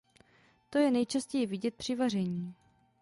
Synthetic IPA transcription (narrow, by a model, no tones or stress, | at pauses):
t̪o̞jɛnɛjt͡ʃascɛjɪvɪɟɛt̪̚pr̝̥ɪvar̝ɛɲiː